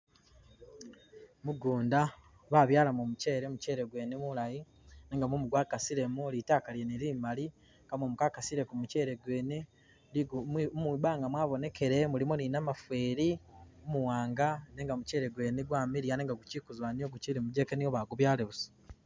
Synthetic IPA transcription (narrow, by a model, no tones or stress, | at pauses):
muɡuːnda | βaːβjaːlamomuce̞ːɾemuce̞ːɾeɡwe̞ːnemulaji | neːŋɡamomuɡwaːkasiɾe̞mulitaːkaljeniɾiːmali | ŋɡamomukaːkasiɾe̞kumuce̞ːɾe̞ɡwe̞ːne | miβaːŋɡamwaːβo̞ne̞ke̞ɾe̞mulimoninamafwe̞ːɾiomuwaːŋɡaneːŋɡamuceːɾe̞ɡwe̞ːneɡwaːmiɾijaneːŋɡaɡucikuzwanioɡuciɾimuɟe̞ːkenioβaːɡuβjaːleβuso̥